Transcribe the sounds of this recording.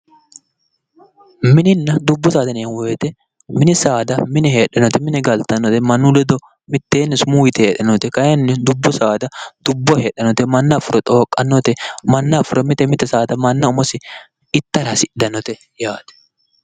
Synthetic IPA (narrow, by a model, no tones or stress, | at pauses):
mɪnɪnːɐd̪ʊbːɔsaːd̪ɐnɪjɐwɔjɛt̪ɛ | mɪnɪsaːd̪ɐmɪnɛhe̞ːɗɐnɔt̪ɛmɪnɛɡɐlt̪ɐnːɔt̪ɛmɐnːulɛd̪ɔ | mɪt̪ːeːnːɛsʊmuːjɪt̪ɛheːᶑɐnɔt̪ɛkɐjɐnːɛd̪ʊbːɔsaːd̪ɐd̪̥ʊbːɔheːɗɐnɔt̪ɛmɐnːɐfʊɾɔt̪ʼoːkʼːɐnːɔt̪ɛmɐnːɐfʊɾɔmɪt̪ɛmɪt̪ɛsaːd̪ɐmɐnːɐʊmɔsɪ | ɪt̪ːɐɾɐsɪd̪ɐnɔt̪ɛ | jaːd̪̥ɛ̥